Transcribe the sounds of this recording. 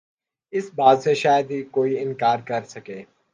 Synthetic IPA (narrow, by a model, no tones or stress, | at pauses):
ɪsbaːd̪seʃaːjəd̪ɦikoːiɪ̃nkaːɾkɐɾsɐkeː